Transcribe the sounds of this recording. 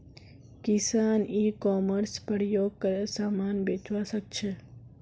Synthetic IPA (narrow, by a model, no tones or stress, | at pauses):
kɪsanikɔməɾspəɾjoɡ̚kəɾesamanbet͡ʃʋasək̚t͡ʃʰe